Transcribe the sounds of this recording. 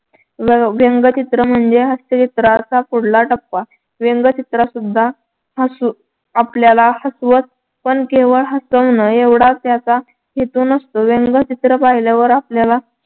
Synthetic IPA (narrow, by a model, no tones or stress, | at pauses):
ʋʋeŋɡət͡ɕit̪ɾəm̤əɳd͡zeɦəst̪ət͡ɕit̪ɾat͡sapuɽlaʈəpːa | ʋeŋɡət͡ɕit̪ɾasud̪ʱːa | ɦəsu | apljalahəsʋət͡s̪̚ | pəɳkeʋəɭɦəsəʋnəeʋɽat͡sjat͡sa | ɦet̪uːnəst̪oʋeŋɡət͡ɕit̪ɾəpaɦilaʋəɾapljala